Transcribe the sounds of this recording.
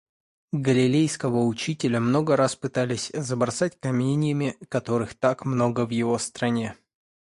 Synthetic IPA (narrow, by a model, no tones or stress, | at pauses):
ɡəlʲɪlʲejskəvəʊt͡ɕitʲɪlʲəmno̞ɡəɾaspɨt̪alʲɪsʲzəbɾɐsat̚ʲkɐmʲenʲɪjəmʲɪkɐt̪o̞ɾɨxt̪akmno̞ɡəvjɪvo̞st̪ɾɐnʲe